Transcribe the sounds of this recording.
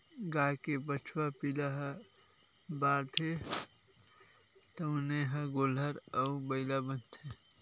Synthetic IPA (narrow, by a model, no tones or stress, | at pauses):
ɡajkebət͡ʃʰwapilaɦə | baɾt̪ʰe | t̪əʊneɦəɡoləɾəubəɪlabənt̪ʰe